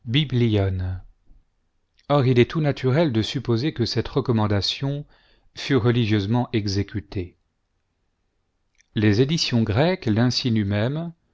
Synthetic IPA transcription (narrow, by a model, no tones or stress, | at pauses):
bibliɔn | ɔʁilɛt̪unat̪ʰyʁɛld̪əsypozekəsɛt̪ʁəkɔmɑ̃d̪asjɔ̃ | fyʁəliʒjøzmɑ̃ʔɛɡzekʰʲyt̪ʰe | lezed̪isjɔ̃ɡʁɛklɛ̃sinymɛm